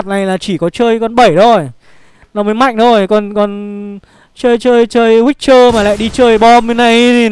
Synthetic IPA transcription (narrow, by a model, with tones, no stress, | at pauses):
t̚na˨˩jlaː˨˩t͡ɕi˧˩kɔ˨˦t͡ɕəː˧jkɔ˧nɓə˧˩jto˧˩j | nɔ˨˦məː˨˦jma̰˧˨jŋ̟t̪ʰo˧˩jkɔ˨˩nkɔ˨˩n | t͡ɕəː˧jt͡ɕəː˧jt͡ɕəː˧jhwi˦˥k̚t͡ɕəː˧maː˨˩la̰ː˧˨jɗi˧t͡ɕəː˧jɓɔ˧mɨ˨˧˦na˨˧˩ji˨